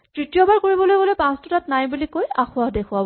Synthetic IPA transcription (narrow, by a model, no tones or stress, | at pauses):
tɹitijɔbaɹkoɹibɔlojbɔlojpãstɔtatnajbulikojaxʊaɦdekʰʊwabɔ